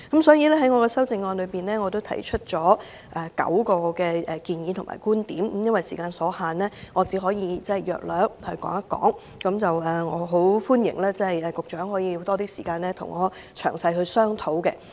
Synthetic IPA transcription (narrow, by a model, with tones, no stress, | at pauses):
kɐ˨˥msɔː˨˥jiː˨˧lɛː˥ɦɐ˨˥jŋɔː˨˧kɛ˧sɐ˥wt͡sɪ˧ŋːɔː˧nlɵ˨˧piː˨nlɛː˥ŋɔː˨˧t̪o˥wt̪ʰɐ̰˨˩jt͡ʃʰɵ˥t̚t͡sɔː˨˥ | ʔɛ˨kɐ̰˨˥wkɔː˧kɛː˧ɛ˨kiː˧njiː˨˧t̪ʰʊ˨˩ŋma̰ː˨˩jkuː˥nt̪iː˨˥m̩˨˥jɐ˥nwɐ˨jsiː˨˩kaː˧nsɔː˨˥haː˨nlɛː˥ŋɔː˨˧t͡siː˨˥ɦɔː˨˥jiː˧t͡sɛ˥˨jœ̰ː˨k̚lœː˨˥ŋhɵ˧ɥkɔ̰ː˨˥ŋɐ˥t̚kːɔ̰ː˨˥ŋ | kɐ˨˧˥mt͡sɐ˨wɛː˨˩ŋɔː˨˧ɦo˨˥wfuː˥njɪ̰˨˩ŋlaː˥t͡sɛ˥hɐ˨jɛ˨kʊ˨k̚t͡ʃœː˨˥ŋɦɔː˨˥jiː˧jʊ˧wt̪ɔː˥t̪iː˥siː˨˩kaː˧nlɛː˥t̪ʰʊ̰˨˩ŋːɔː˨˧ | t͡ʃʰœ̰ː˨˩ŋsɐ˧jhɵ˧sœː˥ŋt̪ʰo˨˥wkɛ˧